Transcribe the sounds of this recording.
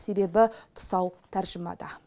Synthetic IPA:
se̞be̞bɪt̪ʰʊ̥sɑwt̪ʰæɾʒəmɑ̰d̪ɑ

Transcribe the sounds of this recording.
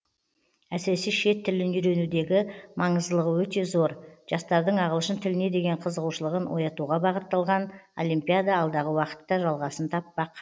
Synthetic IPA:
æsɪɾesiʃe̞t̪ʰːɪlɪnʏɾe̞nud̪e̞ɡʲɪmɑɴəzd̪əlˠəʁəwɵt̪e̞zo̞ɾʒ̥ɑst̪ɑɾd̪əɴɑʁəlˠəʃənt̪ʰɪlɪne̞d̪e̞ɡʲe̞ɴqʰəzəʁuʃəlˠəʁənwo̞jɑt̪uʁɑbɑʁət̪ːɑlˠʁɑno̞̰lˠimpʲijad̪ɑːlˠd̪ɑʁəwɑqə̥t̪ːɑʒɑlˠʁɑsənt̪ʰɑpːɑq

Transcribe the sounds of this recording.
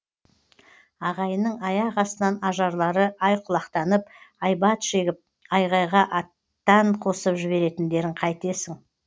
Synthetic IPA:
ɑʁɑjənəɴɑjɑʁɑsənɑnɑʒɑɾlˠɑɾəʔɑjqʰʊlˠɑqt̪ɑnəpɑjbɑt̪ʃe̞ɡʲɪp̚ | ɑjʁɑjʁɑʔɑt̪ːɑɴqʰo̞səpʒɪβe̞ɾe̞t̪ɪnd̪e̞ɾɪɴqʰɑjt̪e̞sɪŋ

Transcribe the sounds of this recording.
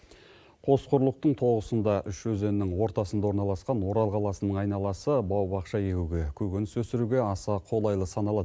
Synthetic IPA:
qʰo̞sqʰʊɾlˠəq̚t̪əɴt̪ʰo̞ʁəsənd̪ɑʔʏʃɵze̞nːɪŋwo̞ɾt̪ɑsənd̪ɑwo̞ɾnɑlˠɑsqɑnwo̞ɾɑlˠqʰɑlˠɑsənəɴɑjnɑlˠɑsəbɑwbɑqʃɑje̞kʲuɡʲe̞kʲʰɵɡʲɪnɪsɵsɪɾuɡʲe̞ɑsɑqʰo̞lˠɑjlˠəsɑnɑlˠɑd̪ə

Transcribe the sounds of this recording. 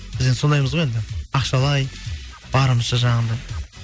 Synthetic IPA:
b̥ɪzd̪enso̞nd̪ɑjməzʁoje̞nd̪ɪɑqʃɑlˠɑjb̥ɑɾəməzʃəʒɑɴənd̪ɑj

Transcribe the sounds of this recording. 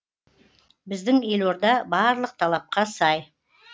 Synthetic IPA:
bɪzd̪ɪŋe̞lwo̞ɾd̪ɑbɑɾlˠəq̚t̪ʰɑlˠɑp̚qɑsɑj

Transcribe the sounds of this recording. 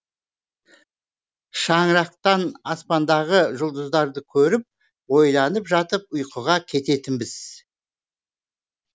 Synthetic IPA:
ʃɑɴəɾɑq̚t̪ɑnɑspɑnd̪ɑʁəʒʊlˠd̪əzd̪ɑɾd̪əkʲʰɵɾɪp̚ | wo̞jlˠɑnəpʒɑt̪əp̚ʊjqʰəʁɑkʲʰe̞t̪e̞t̪ɪnbɪz̥

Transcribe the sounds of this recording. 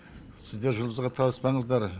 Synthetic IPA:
sɪzd̪e̞ɾʒʊlˠd̪əzʁɑt̪ʰɑlˠəspɑɴəzd̪ɑɾ

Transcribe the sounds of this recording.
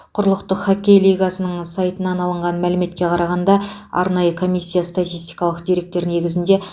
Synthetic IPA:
qʰʊɾlˠəqt̪əqχakʲejlʲˠijɡasənəɴsajt̪ənɑnɑlˠəɴʁɑnmælɪme̞t̪kʲe̞qʰɑɾɑʁɑnd̪ɑɑ̰ɾnɑjəkʰo̞mʲijsʲːijast̪at̪ʲijst̪ijkɑlˠəqd̪iɾe̞k̚t̪e̞ɾne̞ɡʲɪzɪnd̪e̞

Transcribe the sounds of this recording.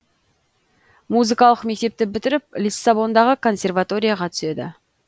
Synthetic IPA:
muzɨkɑlˠəqme̞k̚t̪e̞p̚t̪ɪbɪt̪ɪɾɪp̚lʲisːabo̞nd̪ɑʁəkʰo̞nsʲe̞rvat̪o̞ɾʲijaʁɑt̪ʰʏ̥se̞d̪ɪ̰

